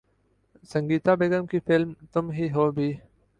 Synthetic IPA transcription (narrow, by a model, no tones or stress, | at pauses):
sə̃ŋɡiːt̪aːbeːɡəmkifɪlmt̪ʊmɦiɦoːbʱiː